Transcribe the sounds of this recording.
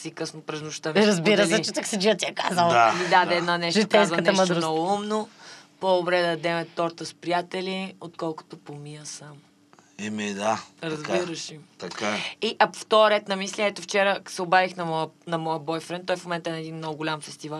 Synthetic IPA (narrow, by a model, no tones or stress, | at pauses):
sikɤsnopɾɛznʊʃt̪əmɾɐzbiɾəlt͡ʃɛt̪əksid͡ʒiət̪iɛkazəlˠd̪amid̪ad̪ɛɛd̪nənɛʃt̪avɐnʃmt̪nɔɡʊumnopod̪obɾɛd̪ɐd̪ɛmɛt̪ɔɾt̪əspɾijat̪ɛliot̪kɔlˠkʊ̥t̪opomijəsam | imid̪aɾɐzbiɾəʃit̪ɐkaiʔɐft̪ɔɾɛt̪nɐmislʲiɛt̪oft͡ʃɛɾəsɛobaɾixnɐmɔənɐmɔjəbɔjfɾɛnt̪ɔjfmomɛ̃nt̪əɛnɛd̪inmnɔɡʊɡʊlʲamfɛst̪ivalˠ